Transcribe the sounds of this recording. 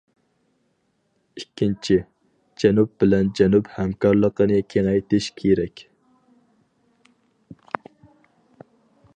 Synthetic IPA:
ikʲʰːint͡ʃʰi | d͡ʒɛnup̚bɪlɛnd͡ʒɛnuphɛmkɑɾlˠəqənɨkʲʰeŋɛjt̪ɪʃkʲʰeɾɛkʲ

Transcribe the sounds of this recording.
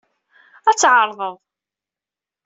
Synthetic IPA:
æt͡sːʕəɾˤðˤəðˤ

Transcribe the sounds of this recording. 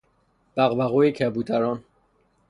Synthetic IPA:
b̥æɣbæɣuecʰæbuːd̪ʰæɾɒn

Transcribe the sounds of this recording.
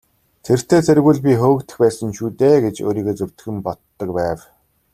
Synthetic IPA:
t̪ʰer̥t̪ʰeːt͡sʰæɾɣuːɮpʲixɵːwɵ̆kt̪ɘ̆xpæːsə̆ŋʃuːt̪eːɡet͡ɕo̰ːɾiːɣeːt͡sɵw̥ʲt̪ɘ̥̆xɘ̆mpɔt̪ːə̆k̚pæːw

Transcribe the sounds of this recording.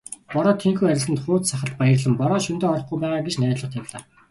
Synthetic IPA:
pɔɾɔːt̪ʰeŋxuːæɾʲɪ̆ɮsɘ̆nt̪χʊːt̪saχə̆ɬt̪̚pajə̆rɮə̆mpɔɾɔːʃunt̪eːɔɾɞ̆χɡujpæːʁaːɡet͡ɕnæːt̪ɮə̆χ̚t̪ʰæwʲɮa̰ː

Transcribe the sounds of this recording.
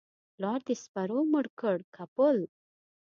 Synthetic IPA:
lɑɾd̪espaɾoməɽkəɽkʰapəl

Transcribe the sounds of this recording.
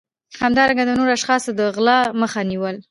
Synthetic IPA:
hamd̪ɑɾaŋɡad̪ənoɾaʃxɑsod̪əɣlɑməxaniwəl

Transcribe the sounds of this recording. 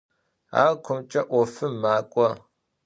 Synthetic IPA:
a̰ːkʷʰʊmt͡ʃʼɐʔʷɔfɨmːaːkʷʼɔ

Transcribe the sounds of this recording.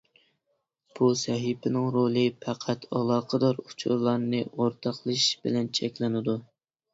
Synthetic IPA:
b̥usɛɦipʰɪnɪŋɾolˠɨpʰæqʰæt̪ʰɑlˠɑːqʰəd̪ɑɾut͡ʃʰṵɾlˠɑɾnɨʔoɾt̪ʰɑqlˠɨʃb̥ɪlɛnt͡ʃʰɛkʲlɪnɪd̪u

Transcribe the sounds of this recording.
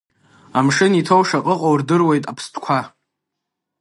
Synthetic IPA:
amʂɨnitʰowʂaqʼəqʼowrdɨrwe̞jtʼapʰstʰkʷʰa

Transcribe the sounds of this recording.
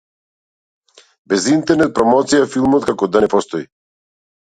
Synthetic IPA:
bɛzint̪ɛɾnɛt̪̚pɾɔmɔt̪sijafilˠmɔt̪kakɔd̪anɛpɔst̪ɔi

